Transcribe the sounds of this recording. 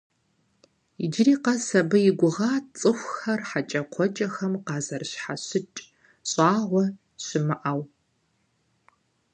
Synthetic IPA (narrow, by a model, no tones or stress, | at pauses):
id͡ʒɪriːqɐsɐbɐjɪɡʷʊʁaːtt͡sʼɨxʷxɐrħat͡ʃʼɐqʷʰɔt͡ʃʼɐxɐmqɑːzɐrɕħaɕɪt͡ʃʼ | ɕʼaːʁʷɔ | ɕɪmɨʔaːw